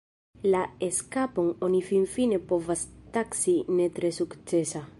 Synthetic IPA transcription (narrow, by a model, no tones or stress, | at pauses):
laeskapo̞ŋonifinfine̞po̞vastaksine̞t̪ɾe̞sukt͡se̞sa